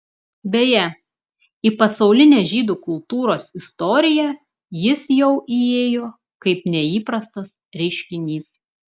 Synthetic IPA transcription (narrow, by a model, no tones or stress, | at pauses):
bʲeːjɛ | iːˑpɐsɐʊlʲɪnʲeːʒʲiːd̪uːkʊlˠt̪uːɾoːsɪst̪ɔːɾʲɪjæ | jɪsjɛʊʔieːjoː | kɐɪpnʲɛiːpɾɐst̪ɐs | ɾʲɛɪʃʲkʲɪnʲiːs